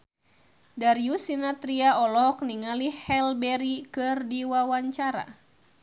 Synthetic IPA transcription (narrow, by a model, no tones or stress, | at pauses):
daɾiusinat̪ɾiaɔlɔɦɔk̚niŋalihhɛlbɛɾikɨrdiwawaɲt͡ʃaɾa̰